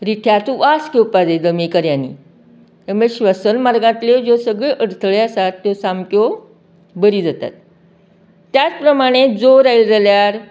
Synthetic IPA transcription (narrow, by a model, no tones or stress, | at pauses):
ɾiʈʰjat̪ũʋaskewpaded̪əmekəɾjanːḭː | t̪əɾməɭeɕʋəsənmaɾɡãt̪led͡zosəɡɭeʔəɽt̪ʰəɭeəsat̪ːjosamko | bəɾiːd͡zat̪a̰t̪ː | jat͡spɾəmaɽ̃ed͡zoɾailɾəljaɾ